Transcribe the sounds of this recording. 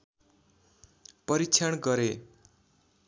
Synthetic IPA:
pʌɾikt͡ʃʰjaɳɡʌɾe

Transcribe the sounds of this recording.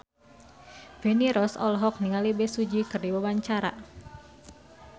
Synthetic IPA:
veniɾɔsɔlɦɔk̚niŋalibesud͡ʒikɨrdiwawaɲt͡ʃaɾa̰

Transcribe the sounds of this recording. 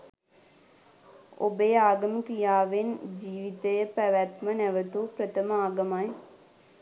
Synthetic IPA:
o̰beːaːɡəmkijaːʋɪnd͡ʒiːʋit̪eːpɛʋaːt̪mənɛʋət̪opɾət̪ʰəmaːɡəmaːe

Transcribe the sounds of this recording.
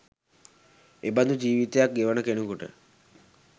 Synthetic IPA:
eband̪ud͡ʒiːʋit̪ejak̚ɡeʋənəkenukoʈə̰

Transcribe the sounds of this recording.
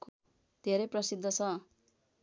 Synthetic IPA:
ko | d̪ʱeɾʌprʌsid̪ʱːʌt͡sʰʌ

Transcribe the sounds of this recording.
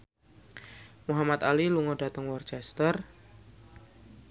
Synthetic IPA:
muɦamat̪aliluŋɔdat̪əŋwɔrt͡ʃɛst̪ər

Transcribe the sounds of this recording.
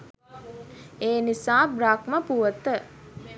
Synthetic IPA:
eːnisaːbɾaːkməpuʋət̪ə

